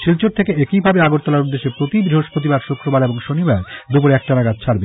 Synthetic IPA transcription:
ʃilt͡ɕoɾt̪ʰekeekibʱabeaɡoɾt̪ʰɔlaɾud̪ːeʃepɾot̪ibɾiɦoʃpɾot̪̬ibaɾʃokɾobaɾeboŋʃonibaɾd̪upoɾeɛk̚ʈanaɡat͡ɕʰt͡ɕʰaɾbe

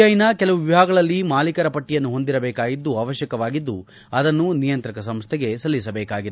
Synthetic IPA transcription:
ɐjinɐkɛlɐʋuʋibʱaːɡɐɭɐlːimaːlikɐɾɐpɐʈːijɐnːuɦo̞nd̪iɾɐbɛːkaːɡid̪ːuaːʋɐʃjɐkɐʋaːɡid̪ːu | ɐd̪ɐnːunijɐnt̪ɾɐkɐsɐmst̪ʰɛɡe̞sɐlːisɐbɛːkaːɡid̪e

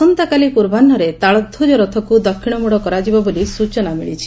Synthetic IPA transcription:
ɔnt̪akalipuɾbʱanːɔɾet̪aɭɔd̪ʱud͡ʒɔɾɔt̪ʰɔkud̪ɔkʰːiɽ̃ɔmuɽɔkɔɾad͡ʒibɔbolisut͡ʃɔnamiɭit͡ʃʰi̥

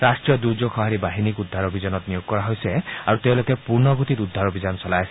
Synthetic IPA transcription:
ɾasʈɾijɔd̪ud͡ʒokʰɔɦaɾibaɦinikud̪ʱːaɾobʱid͡ʒɔnɔt̪nijoɡ̚kɔɾaɦojseaɾut̪ewlokepuɾnɔɡut̪it̪ud̪ʱːaɾobʱid͡ʒɔnsɔlajs

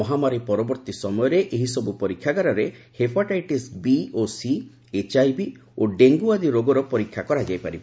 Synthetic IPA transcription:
ɔɦamaɾipɔɾɔbɔɾt̪isɔmɔjɔɾeʔeɦisɔbupɔɾikʰːjaɡaɾɔɾehepʰaʈajʈisbiosi | et͡ʃajbi | oɖeŋɡuad̪iɾoɡɔɾɔpɔɾikʰːjakɔɾad͡ʒajpaɾib

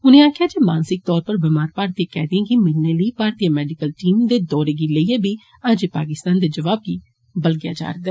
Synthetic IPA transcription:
ʊnẽːaːkʰjaːd͡ʒeːmaːnsɪk̚t̪ɔːɾpəɾbɪmaːɾpaːɾt̪iãkɛ̰ːd̪iãːkɪmɪlneːləiːpaːɾt̪ijãːmɛːɖɪkəlʈiːmd̪eːd̪ɔːɾeːɡiːləiːeːbiː | əd͡ʒepaːkɪst̪aːnd̪eːd͡ʒəʋaːb̚ɡiː | bəlɡɪja̰ːd͡ʒa̰ːɾəd̪ɛː

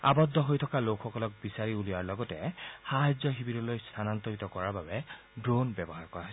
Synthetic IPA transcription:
a̰bɔdːɔɦojtʰɔkalokʰːɔkɔlɔk̚bisaɹiuliaɹlɔɡɔtɛxaɦad͡ʒzɔxibidɔlojst̪ʰanantɔɹitɔkɔɹaɹbabɛ | dɹonbɛbɔɦaɹkɔɹaɦɔ

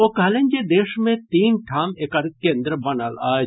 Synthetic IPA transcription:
okɐlenʲd͡ʒed̪eːʃmẽt̪iːnʈʰaːmekɐɾkẽːnd̪ɾəbɐnalaː

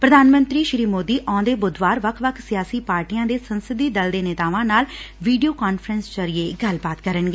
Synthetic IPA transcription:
pɾəd̪ʱaːnmə̃nt̪ɾiːʃɾiːmoːd̪iːʔɔ̃ːd̪eːbʊd̪ʋaːɾʋəkʰʋəkʰsɪjaːsiːpaːɾʈijãːd̪eːsənsɪd̪iːd̪əld̪eːnɪt̪aːʋãːnaːlʋiːɖijoːkaːnfʰɾənst͡ʃəɾɪeːɡəlbaːt̪kəɾənɡeː

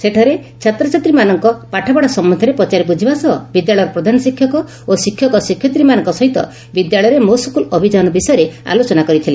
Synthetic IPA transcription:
seʈʰaɾet͡ʃʰat̪ɾɔt͡ʃat̪ɾimanɔŋkɔpaʈʰabɔɽɔsɔmːɔnd̪ʱjɔɾepɔt͡ʃaɾipud͡ʒʱibasɔ̰bid̪jaɭɔjɔɾɔpɾɔd̪ʱanɔsikʰjɔkɔ | osikʰːjɔkɔsikʰːjɔt̪ɾimanɔŋkɔsɔɦit̪ɔ̰ | bid̪jaɭɔjɾemosɔkulɔbʱid͡ʒanɔbisɔjɾea̰lot͡ʃɔnakɔɾit̪ʰile

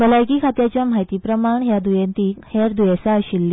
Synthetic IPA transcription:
bəlajkiːkʰat̪jat͡ɕjamajt̪iːpɾəmaɳɦjad̪ujent̪iːheɾd̪ujesaəɕilːi

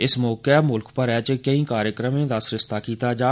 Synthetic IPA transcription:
ɪsmɔːkɛmʊlkʰpəɾɛːt͡ʃkəĩːkaːɾjəkɾəmẽːd̪əsɾɪst̪aːkiːt̪aːd͡ʒaː

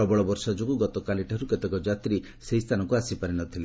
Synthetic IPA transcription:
ɔbɔɭɔbɔɾsɔd͡ʒokuɡɔt̪ɔkaliʈʰaɾuket̪ekɔd͡ʒat̪ɾi | seist̪ʰanɔŋkuasipaɾinɔt̪ʰile

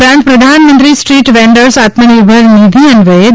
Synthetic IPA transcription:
ɾãːpɾɐd̪ʱaːnmə̃nt̪ɾisʈɾiːʈʋẽːɳɖəɾsaːt̪məniɾbʱəɾnid̪ʱiɐnʋɐe

